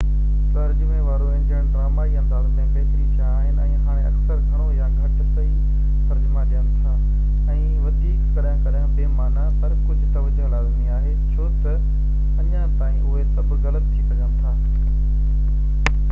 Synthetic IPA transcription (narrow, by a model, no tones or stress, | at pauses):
t̪ɐɾd͡ʑmẽʋaːɾoəɦɪnɪ̆d͡ʑɐɦɪ̃ɽ̃ʈɾaːmaːiɐ̃nd̪aːzmẽpɛːt̪ɾikʰaːɦɪnɛ̃ːɦaːɽ̃ẽɐksəɾkʰəɽ̃ojaɡʱɐʈtɐi | t̪ɐɾd͡ʑmãd͡ʑənt̪ʰãː | ɛ̃ː | ʋɐd̪iːkkɐɗjãkɐɗjãbeːmaːnapɐɾkʊd͡ʑʱʊt̪ɐʋəd͡ʑoɐlaːzmĩaːɦe | t͡ɕʰoːt̪ɐ | ɐɲãt̪aːĩʊɦesɐbʱɣɐlət̪t̪ʰːipɐɲãːnt̪ʰaː